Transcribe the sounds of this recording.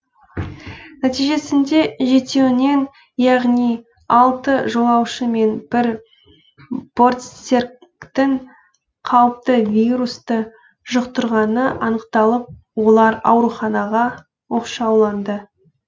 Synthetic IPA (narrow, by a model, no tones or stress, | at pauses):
næt̪ijʒe̞sɪnd̪e̞ʒe̞t̪e̞wɪne̞n | jɑʁnij | ɑlˠt̪əʒo̞lˠɑwʃəme̞nb̥ɪɾ | b̥o̞rt̪seɾkt̪ɪŋ | qʰɑwəp̚t̪əvʲijɾust̪ə | ʒʊqt̪ʊɾʁɑnəʔɑnəqt̪ɑlˠəp̚ | wo̞lˠɑɾɑ̰wɾuχɑnɑʁɑ | wo̞qʃɑwlˠɑnd̪ə